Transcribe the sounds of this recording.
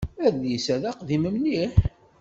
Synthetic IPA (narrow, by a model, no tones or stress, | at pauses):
æðjisæðæqðiməmniħ